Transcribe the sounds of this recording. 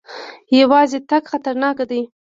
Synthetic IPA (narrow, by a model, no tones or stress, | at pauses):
jawɑzet̪aɡxat̪aɾnɑkad̪əj